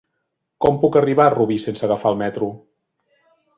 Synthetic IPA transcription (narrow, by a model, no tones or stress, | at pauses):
kɔmpukəriβ̞aruβisensəɣəfalˠmɛt̪ɾu